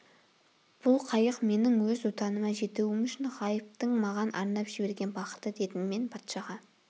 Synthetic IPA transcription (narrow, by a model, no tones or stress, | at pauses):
b̥ʊlˠqʰɑjəqme̞nɪŋwɵzʊt̪ɑnəmɑʒe̞t̪uwɪmʏʃɪnʁɑjəp̚t̪əɴmɑʁɑnʔɑ̰ɾnɑpʒ̥ɪbe̞ɾɡʲe̞nbɑqə̥t̪əd̪e̞t̪ɪnme̞npʰɑt̪ʃɑʁɑ